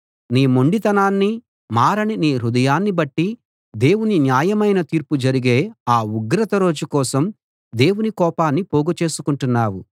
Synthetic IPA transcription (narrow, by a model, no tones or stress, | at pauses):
niːmo̞ɳɖit̪ɐnaːnːi | maːɾɐniniːɾud̪ɐjaːnːibɐʈːi | d̪e̞ːwuninjaːjɐmɐjnɐt̪iːɾpud͡ʒɐɾiɡe̞ːaːuɡɾɐt̪ɐɾo̞ːd͡ʒukɔːsɐm | d̪e̞ːwunikɔːpaːnːipoːɡut͡ʃe̞ːsukuɳʈunːaːwu